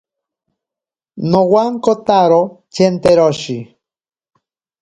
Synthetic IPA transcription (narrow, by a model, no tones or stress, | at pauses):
nowaŋkot̪aɾot͡ʃent̪eɾoʃi